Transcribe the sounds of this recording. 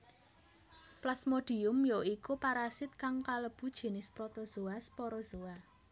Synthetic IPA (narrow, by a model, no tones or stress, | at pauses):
plasmoɖ̥i̤ʊmjoikupaɾasɪt̪̚kaŋkaləb̥ṳd̥ʒ̥e̤nɪspɾɔt̪ɔz̥oaspɔɾɔz̥oa